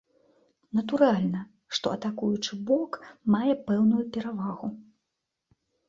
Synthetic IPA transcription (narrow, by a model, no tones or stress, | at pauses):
nɐt̪uɾalʲnɐ | ʂt̪ɔ̰ɐt̪akujut͡ʂɨbɔkmajɛpɛwnujupʲɛɾavaɣu